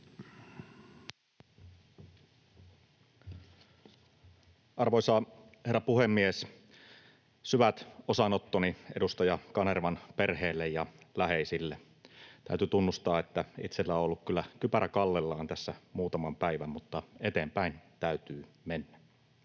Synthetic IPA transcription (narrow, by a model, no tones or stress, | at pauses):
ʔɑrʋosɑːherːɑpuhemːies | syʋæt̪osɑnot̪ːoniʔḛdust̪ɑjɑkɑnerʋɑnperheːlːejjɑlæheisilːe | t̪æ̰yt̪yt̪unːust̪ɑːet̪ːæit̪selːæoolːukkylːækypæɾækɑlːelːɑːnt̪æsːæmuːt̪ɑmɑmpæiʋæmːmut̪ːɑet̪eːmpæint̪æyt̪yː | menːæ